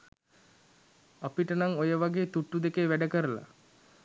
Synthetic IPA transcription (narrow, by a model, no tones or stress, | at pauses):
apiʈənaŋojəʋaɡeːt̪uʈːud̪ekeʋæɖəkəɾəla̰